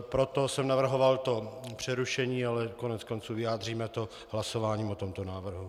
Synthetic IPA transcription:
pɾot̪o̞sɛmnavr̩ɦo̞valt̪o̞pr̝̥ɛɾuʃɛɲiːalɛkonɛt͡sko̞nt͡suːvɪjaːd̪r̝iːmɛt̪o | ɦlaso̞vaːɲiːmot̪omt̪o̞naːvr̩ɦu

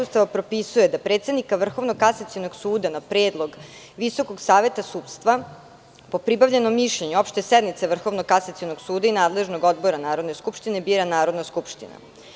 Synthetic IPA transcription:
ust̪aʋapɾopisujed̪apɾet̪se̞d̪nikaʋr̩xo̞ʋno̞kasat̪sino̞ɡsuːd̪anapɾeːd̪lˠo̞ɡ | ʋiso̞ko̞ɡsaːʋe̞t̪asuːt̪st̪ʋa | po̞pɾibaʋʎeno̞mːiʃʎeɲuopʃt̪oesɛd̪nmit̪saʋr̩xo̞ʋnokasat̪ionoɡsuːd̪ainaːd̪le̞ʒno̞ɡod̪bo̞ɾanaːɾo̞d̪neskupʃt̪ine̞biːɾanaːɾo̞d̪naskupʃt̪ḭna̰

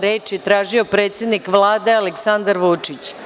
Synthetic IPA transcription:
ɾeːt͡ʃjet̪ɾaːʒio̞pɾet̪sje̞d̪nikʋlˠaːd̪e̞aleksand̪aɾʋut͡ʂit͡ɕ

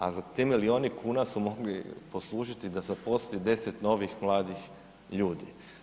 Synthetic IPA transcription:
azat̪emilio̞ːnikʰuːnasumo̞ɡlipo̞slˠuːʒit̪id̪azapo̞slid̪e̞set̪no̞ːʋixmlˠaːd̪ix | ʎuːd̪ḭ

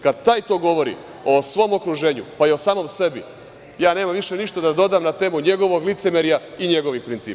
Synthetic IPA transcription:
kad̪t̪aːjt̪o̞ːɡo̞ʋo̞ɾḭ | o̞sʋo̞ːmo̞kɾuʒe̞ːɲṵpaio̞saːmo̞mse̞bḭ | jaːne̞ːmamʋiʃe̞niʃt̪ad̪ad̪o̞d̪aːmnat̪e̞ːmuɲe̞ɡo̞ʋo̞ɡlit̪se̞meɾija | iɲe̞ɡo̞ʋixpɾint̪sḭːpa

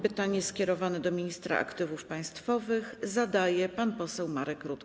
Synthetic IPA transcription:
pɘt̪aɲɛskʲɛɾɔvanɛd̪ɔmʲiɲist̪ɾa̰ʔa̰kt̪ɘvufpaj̃st̪fɔvɘxzad̪ajɛpanpɔsɛwmaɾɛkɾut̪

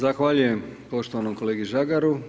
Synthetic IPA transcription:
zaxʋaːʎujempo̞ʃt̪oʋanomko̞leːɡiʒaɡaɾu

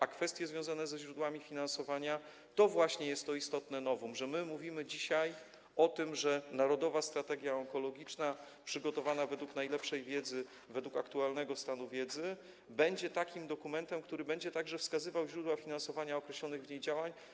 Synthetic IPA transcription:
ʔakfɛst̪ʲjɛzvʲjɔ̃w̃zanɛzɛʑɾud̪wamʲifʲinãnsɔvaɲa | t̪ɔvwaɕɲɛjɛst̪ːɔist̪ɔt̪nɛnɔvumʐɛmɘmuvʲimɘd͡ʑiɕaj | ɔt̪ɘmʐɛnaɾɔd̪ɔvast̪ɾat̪ɛɡʲjaɔŋkɔlɔɡʲit͡ʂna | pʂɘɡɔt̪ɔvanavɛd̪wuknajlɛpʂɛjvʲjɛd̪zɘ | vɛd̪wukakt̪ualnɛɡɔst̪anuvʲjɛd̪zɘ | bɛɲd͡ʑɛt̪akʲimd̪ɔkumɛnt̪ɛmkt̪uɾɘbɛɲd͡ʑɛt̪aɡʐɛfskazɘvawʑɾud̪wafʲinãnsɔvaɲaɔkɾɛɕlɔnɘɣvɲejd͡ʑawaɲ

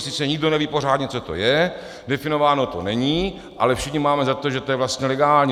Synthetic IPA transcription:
sɪt͡sɛɲɪɡdo̞nɛviːpor̝aːdɲɛt͡so̞t̪o̞̰jɛ | dɛfɪno̞vaːno̞t̪onɛɲiː | ʔalɛfʃɪxɲɪmaːmɛzat̪oʒɛt̪o̞jɛvlast̪ɲɛlɛɡaːlɲː

